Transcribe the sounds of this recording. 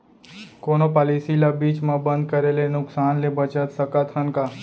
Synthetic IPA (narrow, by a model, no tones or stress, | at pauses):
konopalisilabiːt͡ʃmãbənd̪̚kəɾelenʊksanlebət͡ʃət̪səkat̪ɦənka